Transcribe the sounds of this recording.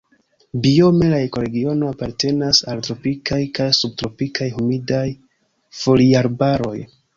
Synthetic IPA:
bio̞me̞laeko̞ɾe̞ɡio̞no̞apaɾte̞nasaltɾo̞pikajkajsub̚tɾo̞pikʰajhumidaj | fo̞liaɾbaɾo̞j

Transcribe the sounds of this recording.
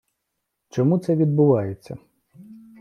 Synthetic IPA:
t͡ʃɔmut̪sɛʋʲid̪bʊʋɑjet͡sʲːɐ̰

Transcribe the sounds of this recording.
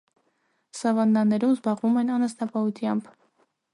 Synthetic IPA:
sɑvɑnːɑnːɛɾumzbɑʁvumɛnɑnəst̪ɑpɑhut̪ʰjɑmb

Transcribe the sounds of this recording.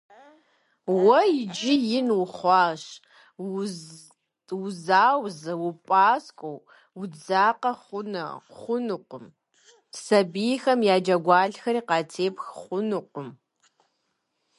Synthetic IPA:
wɐjɪd͡ʒɪjɪnwʊχʷɑːʃ | wʊzaːwzɐwʊpʼaːskʷʼow | wd͡zaːqɐχʷʊnɐ̰χʷʊnɨqʷʊm | sɐbijxɐmjaːd͡ʒɐɡʷɑːɮxɐɾiːqɑːtʰeːpʰxχʷʊnɨqʷʼʊm

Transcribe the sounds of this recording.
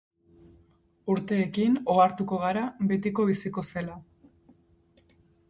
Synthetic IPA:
uɾt̪e̞ːkino̞aɾt̪uko̞ɣ̞aɾaβe̞t̪iko̞β̞isiko̞se̞la

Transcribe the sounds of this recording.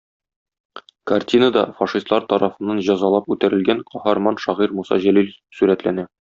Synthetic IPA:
kɐrt̪ʲinəd̪ɑfɑʃist̪lˠɑɾt̪ɒɾɑfɤ̆nːɑnʑɒzɑlˠɑpʉt̪æɾɘ̆lɡæŋqʰɒhɑɾmɑnʃɒʁiɾmusɑ̰ʑælilsʉɾæt̪lænæ

